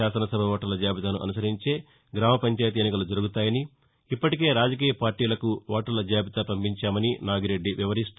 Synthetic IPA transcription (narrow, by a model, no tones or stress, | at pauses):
aːsɐnɐsɐbʱɐʋɔːʈːɐlɐd͡ʒaːbit̪ɐnuʔɐ̰nusɐɾiɲt͡ʃe̞ː | ɡɾaːmɐpɐɲt͡ʃaːjɐt̪ienːikɐlud͡ʒɐɾuɡut̪aːjɐni | ipːɐʈike̞ːɾaːd͡ʒɐk̬iːjɐpaːɾʈːiːlɐkuʋɔːʈɐlɐd͡ʒaːbit̪ɐpɐmpiɲt͡ʃaːmɐninaːɡiɾe̞ɖːiʋiʋɐɾist̪u